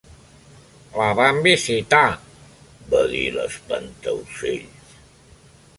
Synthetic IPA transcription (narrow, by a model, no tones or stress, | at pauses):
laβambisit̪a | baðiləspənt̪əwseʎs